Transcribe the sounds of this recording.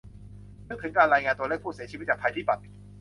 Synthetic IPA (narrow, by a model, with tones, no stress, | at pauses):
n˦˥t̚t̪ʰɯ˩˦ŋkaː˧nɾaː˧jŋaː˧nt̪u˧əle˥˩k̚pʰu˥˩si˩˦t͡ɕi˧˦˥t͡ɕaː˨˩tʰa˧t̪ʰiː˥˩pa˨˩t̪̚